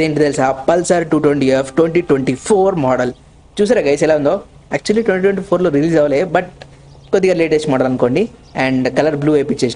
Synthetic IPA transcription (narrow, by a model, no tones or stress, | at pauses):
eɳʈid̪elsapɐlsaːɾʈuːʈʋeɳʈiefʰʈʋeɳʈiːʈʋeɳʈipʰoːɾmɔːɽɐl | t͡ʃuːs̬aːɾeɡɐjsɛlaːund̪oː | æːk̚t͡ʃuɐliʈʋeɳʈiːʈwẽɳʈipʰoːɾloːɾiliːd͡ʒɐʋɐleːbɐʈ̚ | kot̪ːiɡaːɾleːʈesʈmɔːɖɐlɐnkoːɳɖiɛ̃ːɳɖkɐlɐɾbluːeːpit͡ʃːeːs